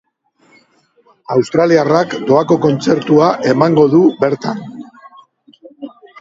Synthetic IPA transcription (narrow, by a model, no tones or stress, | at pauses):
awst̪ɾaliarakd̪o̞ako̞ko̞nt͡se̞ɾt̪uaʔe̞maŋɡo̞ðube̞ɾt̪an